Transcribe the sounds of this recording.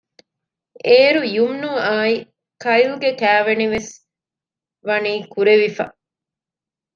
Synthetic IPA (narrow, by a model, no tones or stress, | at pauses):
eːɾujumnuaːi | kɐilɡekæːʋeniʋes | ʋɐniːkuɾeʋifɐ̰